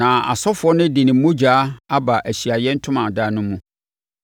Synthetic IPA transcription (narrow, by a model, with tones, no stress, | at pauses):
nã˨a̰˨sɔ˦fʊ˨ɔ˦nɪ̃˦dɪ˨nɪ̃˨˦mõ˦d͡ʑaː˨˦a˦ba˨ʔæ˨ɕi˨a˨jɛ˦n̩˦tʰʊ̃˦mã˨daː˦nʊ̃˦mːũ˨